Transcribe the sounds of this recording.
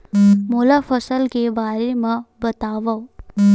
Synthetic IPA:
molafʰəsəlkebaɾemabət̪aʋaw

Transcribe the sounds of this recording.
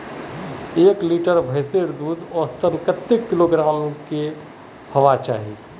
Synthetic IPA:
eːkliːʈəɾbʱəjseɾd̪uːd̪ɔːɾst̪əɾkət̪ːɪkːɪloɡɾaːmke | hɐʋat͡ʃa̰ːɦḭː

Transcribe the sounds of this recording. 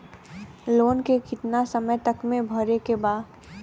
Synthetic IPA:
loːnkekɪt̪nasəməjt̪əkmẽbʱəɾekebaːd̪

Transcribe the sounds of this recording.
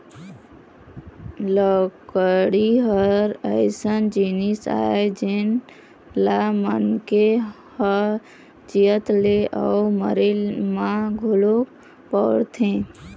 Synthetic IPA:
ləkəɽiɦəɾəɪsənd͡ʒinisa̰ed͡ʒen | lamənke | həɾ | d͡ʒijət̪leʔəumə̰ɾelmãɡʱulo | pəɽt̪ʰẽ

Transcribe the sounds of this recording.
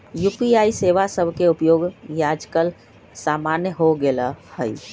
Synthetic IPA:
jupiaiseʋasəbʱkeupjoːɡjad͡ʒkəl | samanjəɦoɡelahəj

